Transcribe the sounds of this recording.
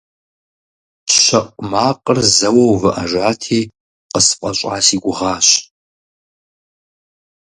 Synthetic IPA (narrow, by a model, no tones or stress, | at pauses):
ɕɐqʷʼmaːqʼərzɐwɐwvɨʔɐʒaːtʰiː | qəsɨ̥qʷʼɐɕʷʼaːsiːɡʷʊʁaːɕ